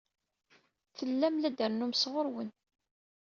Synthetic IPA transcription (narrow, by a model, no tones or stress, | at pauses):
θəlːæmlæd̪əɾnumsʁoɾwən